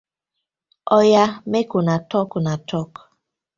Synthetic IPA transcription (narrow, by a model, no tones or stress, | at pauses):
ɔjamekonatɔknatʰɔk